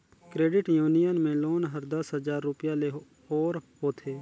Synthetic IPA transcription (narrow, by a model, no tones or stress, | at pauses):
kɾeːɖɪʈjuːnɪjənmẽloːnɦəɾd̪əsɦəzaːɾːʊpɪjãleɦ | oːɾɦoːt̪ʰeː